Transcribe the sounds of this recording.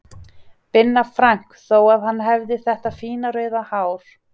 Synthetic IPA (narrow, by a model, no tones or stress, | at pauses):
pɪnːafɾaŋ̥kθoːwaðɦanːɦɛvðɪθɛht̪afiːnaɾœːɥðahaːwɾ̥